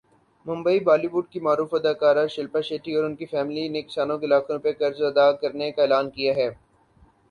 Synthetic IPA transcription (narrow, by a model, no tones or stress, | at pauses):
mʊ̃mbəibaːliʋʊɖ̚kimaːɾuːfɐd̪aːkaːɾaʃɐlpaʃeːʈiɔːɾʊnkifɛːmlinekɪ̥saːnõkelaːkʰõɾʊpekɐɾzɐd̪akɐɾnekaeːlaːnkijaɦɛː